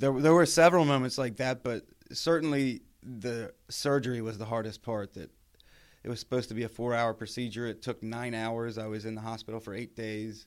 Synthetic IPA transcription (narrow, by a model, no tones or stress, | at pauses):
ðə˞ðə˞wə˞sɛvɹl̩ˠmõʊ̃mɨ̃ntslaɪk̚ðæt̚b̥ʌt̚ | sɜ˞ʔn̩li | ðɨsɜ˞d͡ʒə˞iwʌzðəɦɑɹɾɨspʰɑɹt̪̚ðɨ̰ɾ | ɨt̚wʌz̥sə̥poʊz̥tʰəbiɨfɔɹaʊə˞pʰɹ̥ɨsid͡ʒə˞ɨtʰʊk̚nãɪ̃naʊə˞zaɪwʌzɨ̃nðəɦɑspɪɾl̩ˠfə˞eɪt̚d̥eɪz̥